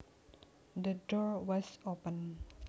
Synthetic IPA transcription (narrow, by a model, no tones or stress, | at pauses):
d̪ədɔɹwɔsopən